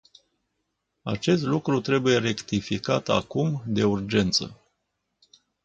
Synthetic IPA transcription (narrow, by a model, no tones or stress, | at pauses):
a̰t͡ʃe̞st̪lukɾut̪ɾe̞buje̞re̞kt̪ifikat̪a̰kumd̪e̞urd͡ʒe̞nt̪sə̰